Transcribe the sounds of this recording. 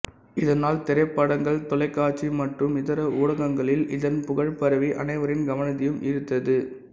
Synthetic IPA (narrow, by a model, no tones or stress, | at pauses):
ɪðɐnaːlt̪ɛɾɐɪpːaːɽɐŋɡɐɭt̪ɔlɐɪkːaːt͡ʃimɐʈrɯmɪðɐɾɐuːɽɐɣɐŋɡɐɭɪlɪðɐnpʊɣɐɻpɐɾɐʋiʔɐ̰nɐɪʋɐɾɪnɡɐʋɐnɐt̪ːɪjɯmʔɪɾɯt̪ːɐðɯ